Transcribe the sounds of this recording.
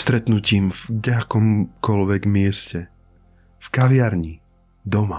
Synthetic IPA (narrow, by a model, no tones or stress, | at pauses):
st̪ɾɛt̪nuciːmvɡɟɛakɔmkɔlʋɛɡmɪɛscɛ | fkaʋɪaɾɲi | d̪ɔma